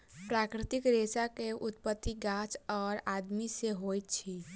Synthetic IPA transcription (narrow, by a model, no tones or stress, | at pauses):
pɾakɾit̪ikɾesakeʔut̪pət̪ːiɡat͡ʃɔːɾad̪miseɦojt̪t͡ʃʰi